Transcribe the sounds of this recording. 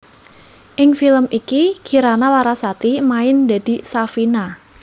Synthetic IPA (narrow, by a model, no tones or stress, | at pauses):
ʔɪŋfiləmikikiɾanalaɾasat̪imaɪnd̪a̤d̪̥i̤safina